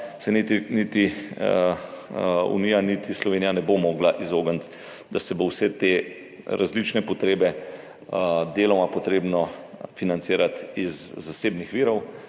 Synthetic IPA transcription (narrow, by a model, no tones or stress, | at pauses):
sɛnit̪init̪i | ṵniːjanit̪islɔʋeːnijanɛbomoːɡlaʔizoːɡənt̪ | d̪asɛbowsɛt̪e | ɾʔazlit͡ʃnɛpɔt̪ɾeːbɛ | d̪eːlɔmapɔt̪ɾeːbnɔfinansiːɾat̪izːaseːbnixʋiːɾɔw